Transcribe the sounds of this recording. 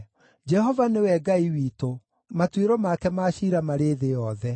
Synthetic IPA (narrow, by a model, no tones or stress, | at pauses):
d͡ʒɛɦɔvanewɛɡaiwiːto | matweɾɔmakɛmaːɕiɾamaɾeðejɔðɛ